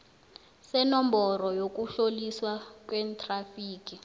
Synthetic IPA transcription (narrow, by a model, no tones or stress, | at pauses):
sɛnɔmbɔrɔjok̬ʼuɬoliswak̬ʼwɛːntʼrafiːk̬ʼi